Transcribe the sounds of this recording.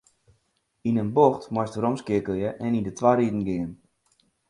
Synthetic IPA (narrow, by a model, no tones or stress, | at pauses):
inənboxtmɔstərɔmskɪəkøjəʔɛnindətʋaɾidn̩ɡɪən